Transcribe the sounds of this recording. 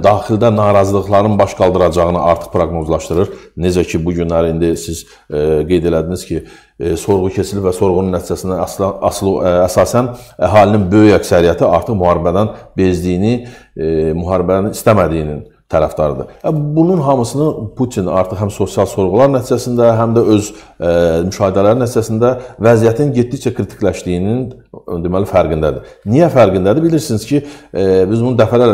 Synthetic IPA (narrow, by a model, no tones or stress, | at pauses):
d̪ɑːχild̪ænɑːɾɑzɯlˠɯχlˠɑɾnɯnbɑʃɡɑlˠd̪ɯɾɑd͡ʒɑʁɯnɯʔɑɾt̪ʰɯ̥χpʰɾoɡno̞zlˠɑʃt̪ɯɾɯɾned͡ʒæcʰibuɟynlæɾiind̪isiz | ɡe̞jd̪e̞læd̪iniz̥cʰi | so̞ɾʁucʰe̞t͡ʃʰilipvæso̞ɾʁununːæt̪ʰid͡ʒæsind̪æsɑslˠuæsɑːsænæɦɑːlininbø̞jyjæcsæɾijæt̪ʰiɑɾt̪ɯχmuhɑːɾibæd̪ænbe̞zd̪ijni | muɦɑːɾibææninist̪æmæd̪ijnin | t̪ʰæɾæ̰fd̪ɑɾɯ̰d̪ɯvæbununɦɑmɯsɯnɯpʰut̪ʰinɑ̰ɾt̪ʰɯχhæmso̞sijɑlˠso̞ɾʁulˠɑɾnæt̪ʰid͡ʒæsind̪æɦæmd̪æø̞z | myʃɑːhid̪ælæɾinæt̪ʰid͡ʒæsind̪ævæzijæt̪ʰinɟet̪dːict͡ʃækʰɾit̪ʰi̥klæʃt̪ijinind̪emælifæɾɡind̪æd̪i | nijæfæɾɡind̪æd̪ibiliɾsiniz̥cʰibizbunud̪æfælæl